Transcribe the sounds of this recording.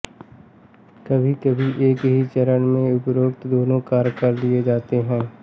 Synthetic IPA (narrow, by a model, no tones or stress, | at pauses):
kɐbʱikɐbʱiʔeːkɦit͡ʃəɾənmẽʊpɾoːkt̪d̪oːnõkaːɾkɐɾd̪ied͡ʒaːt̪eɦɛ̃ː